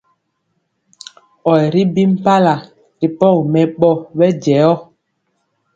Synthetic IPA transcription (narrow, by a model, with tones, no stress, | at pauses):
ɔ˨jɾi˦bi˦m̩˦pa˦la˨ | ɾi˨pɔ˦˨kmɛ˨ɓɔ˦˨ɓɛ˦d͡ʒɛ˨˦ɔ˦